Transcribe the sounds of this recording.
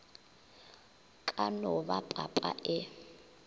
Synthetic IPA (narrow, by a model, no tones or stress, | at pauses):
kʼanɔβapʼapʼa̰ʔɪ